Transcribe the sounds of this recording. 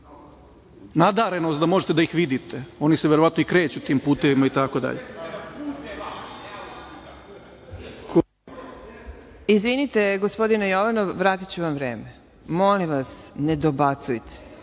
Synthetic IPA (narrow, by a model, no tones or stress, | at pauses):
nad̪aɾenost̪d̪amo̞ʒet̪ed̪aixʋid̪it̪eo̞nisejeɾoʋat̪noikɾeːt͡ɕut̪iːmpuːt̪eʋimait̪akod̪a̰ʎe | k | izʋinit̪e̞ɡospo̞d̪inejoʋanoʋɾaːt̪it͡ɕuʋamʋɾḛːme | molimʋasned̪obat̪sujt̪ʰe̥